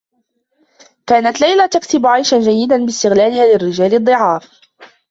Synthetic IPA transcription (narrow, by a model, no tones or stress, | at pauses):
kaːnat̪lajlat̪akt̪ɪbʕajʃand͡ʒajːɪd̪anbɪst̪ɪɣlaːlɪhaːlɪrːɪd͡ʒaːlɨd̪ˤːɨʕɑːf